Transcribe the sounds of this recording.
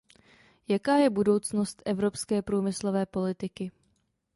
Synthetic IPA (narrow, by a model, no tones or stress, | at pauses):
jakaːjɛbudo̞wt͡sno̞st̪ʔɛvɾo̞pskɛːpɾuːmɪslo̞vɛːpo̞lɪt̪ɪkɪ